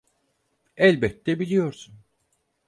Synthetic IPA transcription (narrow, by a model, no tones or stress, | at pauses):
ɛlʲbɛt̪ʰːɛbilʲijo̞ɾsun